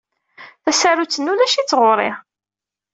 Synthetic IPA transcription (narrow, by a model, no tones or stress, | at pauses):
θæsæɾut͡sːənːulæʃit͡sːʁʊɾˤɪʁ